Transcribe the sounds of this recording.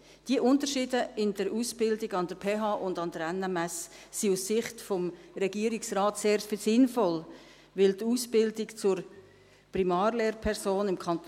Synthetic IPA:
d̥iəʔʊntəɾʃiːdəɪnd̥əɾusb̥ɪldɪɡɑndəɾpʰeːɦɑːʔʊndɑndəɾɛnɛmɛsːiusːɪχtfɔmɾɛɡiəɾiksraːtseːɾtfɪsɪnfɔl | ʋɪltuːsbɪldɪɡt͡sʊɾ | primɑːɾleːɾpʰɛɾsoːnɪmkʰɑnt

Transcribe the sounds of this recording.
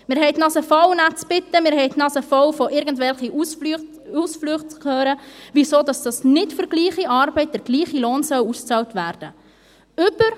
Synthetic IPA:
mɪːɾɦɛɪtnɑsəfɔwnat͡sb̥ɪtːəmɪːɾɦɛɪtnɑsəfɔwfɔʔɪɾɡən̩tvɛlχi | usflyχt͡skʰøːɾəvisoːdɑsd̥ɑsnɪtfʏɾɡliːχiʔɑːɾbɛɪt̚dəɾɡ̥liːχiloːnsœwust͡sɑltvæːɾd̥ə | ʏb̥əɾ

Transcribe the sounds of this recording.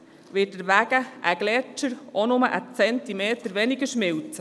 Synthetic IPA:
ʋɪtdəɾʋæɡ̥əʔəɡ̥lɛt͡ʃəɾɔnʊməʔət͡sɛnt̪imeːt̪əɾʋɛnɪɡəɾʃmɪwt͡s

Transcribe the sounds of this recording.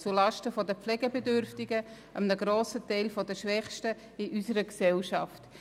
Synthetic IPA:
t͡sulɑʃtəfɔdəpflɛɡəbɛdʏɾftɪɡə | əmnəɡɾoːsətɛɪlfɔdəʃʋɛχʃtə | ɪʔysəɾəksɛlʃɑft

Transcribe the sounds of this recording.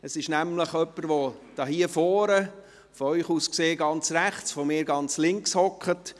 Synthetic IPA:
əsɪʃnæmləχœpːəɾʋod̥ɑːɦiəfɔːɾə | fɔœʏχuːskseːɡɑnt͡sræχt͡sʋomɪːɾɡɑnt͡slɪŋkshɔkχət

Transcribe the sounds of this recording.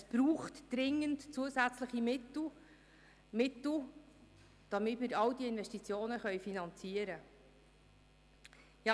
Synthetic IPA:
sb̥ɾuːχtd̥ɾɪŋːəntt͡suəsæt͡sləχimɪt | mɪt̪l̩ | d̪̥ɑmɪtmɪɾɑwdiɪnvɛstit͡sjoːnəχœjfinɑnt͡siəɾə | jɑ

